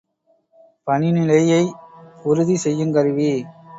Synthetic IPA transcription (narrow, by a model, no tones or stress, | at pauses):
pɐnɪnɪlɐjɐɪʊɾɯðisɛjːɯŋkɐɾɯʋi